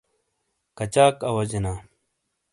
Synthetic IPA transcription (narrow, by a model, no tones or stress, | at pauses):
kɐt͡ɕaːkɐwɐd͡ʑenaː